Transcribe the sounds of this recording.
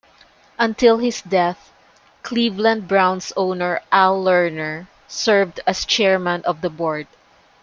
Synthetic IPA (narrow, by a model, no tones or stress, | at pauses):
ʔɐ̃nt̪ɪlˠhɪsd̪ɛθ | kʰlivlãnd̪̚bɹãw̃nsoʊnɛɹʔalːɛɹnɛɹ | sɛɹvd̪ast͡ʃɛɹmãnʔɔvd̪ɐbɔɹd̪̚